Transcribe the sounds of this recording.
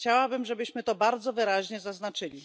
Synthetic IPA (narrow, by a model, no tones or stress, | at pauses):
t͡ɕawabɘmʐɛbɘɕmɘt̪ɔbaɾd̪zɔvɘɾaʑɲɛzaznat͡ʂɘlʲi